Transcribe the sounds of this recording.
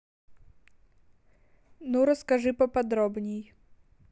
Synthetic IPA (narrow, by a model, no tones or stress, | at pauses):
nuɾəskɐʐɨpɐpɐd̪ɾɔbnʲej